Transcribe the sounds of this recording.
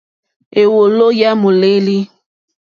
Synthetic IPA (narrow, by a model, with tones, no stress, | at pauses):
e˨wo˨lo˦ja˦mu˨le˦li˦